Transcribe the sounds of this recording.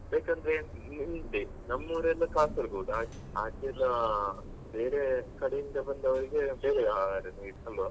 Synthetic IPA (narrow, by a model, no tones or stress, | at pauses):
beːkɐnd̪ɐɾeinɖi | nɐmːɐʋɾɛlːɐkaːsɐɾuɡuːɽaː | aːkiɐlːɐ | be̞ːɾekɐɽejind̪ɐbɐnd̪ɐʋɐɾiɡe̞beːɾeaːaɾenɐiʈnɐlʋɐ